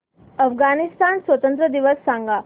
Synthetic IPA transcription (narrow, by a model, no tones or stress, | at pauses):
əfɡanist̪aːnsʋət̪ə̃nt̪̬ɾəd̪iʋəsːãŋɡa